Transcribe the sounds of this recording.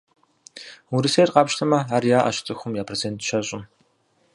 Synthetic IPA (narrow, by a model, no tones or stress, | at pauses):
wʊɾɨsejrqɑːpʃtʰɐmɐaːrjaːʔa̰ʃɪ̥t͡sʼɨxʷʊmjaːpʰrezentʃɐɕʼɪm